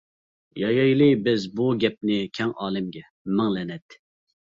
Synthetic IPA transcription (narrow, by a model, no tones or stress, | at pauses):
jɑjɑjlˠɨbɪzbuɡʲɛp̚nɪkʲʰɛŋɑːlˠɪmɡʲɛ | mɪŋlɛnɛt̪ː